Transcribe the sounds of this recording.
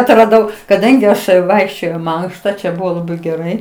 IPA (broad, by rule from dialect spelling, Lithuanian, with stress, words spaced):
ɐtrɐˈdɐʊ kɐˈdɐŋʲɡʲɪ ˈɐʃ ˈʋɐɪkʃʲt͡ʃʲoːjɛʊ iː ˈmɐŋkʃtɐ t͡ʃʲɛ ˈbʊʋoː lˠɐˈbɐɪ ɡʲɛˈrɐɪ